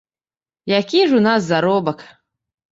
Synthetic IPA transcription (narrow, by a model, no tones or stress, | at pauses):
jakʲiʐunas̬zaɾobɐkʰʼ